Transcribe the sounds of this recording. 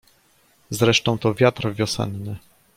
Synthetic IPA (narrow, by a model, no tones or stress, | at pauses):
zɾɛʂt̪ɔ̃w̃t̪ɔvʲjat̪ɾvʲjɔsɛ̰nːɘ